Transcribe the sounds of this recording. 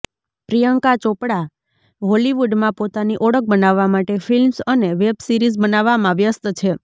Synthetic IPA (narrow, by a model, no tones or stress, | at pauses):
pɾijəŋkat͡ʃopɽa | ɦoliʋuɖmãpot̪aniʔɔɽək̚bənaʋːamaʈefʰilmsəneʋebsiɾizbənaʋːamãʋjəst̪t͡ʃʰe